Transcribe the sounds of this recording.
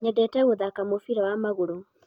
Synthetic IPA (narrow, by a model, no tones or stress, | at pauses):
ɲɛdɛtɛɣoðakamofiɾɛwamaɣoɾo